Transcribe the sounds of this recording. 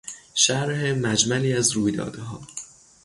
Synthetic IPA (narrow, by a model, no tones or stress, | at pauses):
ʃæɾhemæd͡ʒmæliːæzɾuːjd̪ɒ̰ːd̪eɦɒː